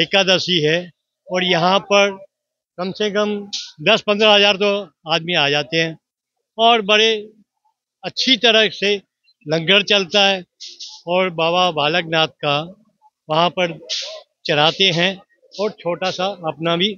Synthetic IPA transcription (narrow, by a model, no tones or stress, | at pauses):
eːkad̪əsiɦɛ | ɔːɾjɐɦãpɐɾ | kɐmsekɐmd̪ɐspɐ̃nd̪ɾəɦɐzaːɾt̪̬o | aːd̪miaːd͡ʒaːt̪eɦɛ̃ː | ɔːɾbɐɽe | ɐtːʃʰit̪ɐɾəse | lɐ̃ŋɡəɾt͡ʃɐlt̪aɦɛːɔːɾbaːbabaːlək̚naːt̪̚ka | ʋɐɦãpɐɾ | t͡ʃɐɾaːt̪eɦɛ̃ | ɔːɾt͡ʃʰoːʈasaɐpnabʱi